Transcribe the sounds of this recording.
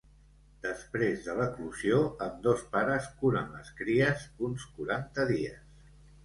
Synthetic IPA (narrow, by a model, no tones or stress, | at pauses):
d̪əspɾezðələkluzioəmd̪ospaɾəskuɾə̰nləskɾiəzunskuɾant̪əðiə̰s